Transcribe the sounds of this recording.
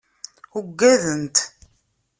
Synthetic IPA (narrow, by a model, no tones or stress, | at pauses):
uɡːæðənt̪